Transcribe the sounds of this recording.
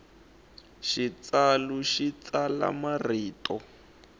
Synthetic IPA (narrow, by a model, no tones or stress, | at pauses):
ʃit͡saluʃit͡sala̰mariːtɔ